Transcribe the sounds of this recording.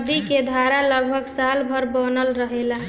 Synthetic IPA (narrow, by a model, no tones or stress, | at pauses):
d̪iked̪ʱaɾaləɡ̚bʱəɡsalbʱəɾbənəlɾəɦela